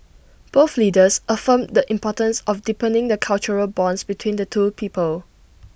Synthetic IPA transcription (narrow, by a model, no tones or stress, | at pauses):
b̥oθlidəsʔəfə̃mdəʔĩmpɔtə̃nsɔfdipə̃nɪ̃ŋdəkʰalt͡ʃəɹəlbɔ̃nsbitʰwĩndətʰupʰiːpəl